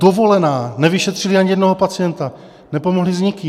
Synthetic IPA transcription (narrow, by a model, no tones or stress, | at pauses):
d̥ovo̞lɛnaːnɛvɪʃɛt̪r̥ɪliaɲijɛdnoɦopat͡sijɛnt̪a | nɛpo̞mo̞ɦlizɲɪkɪ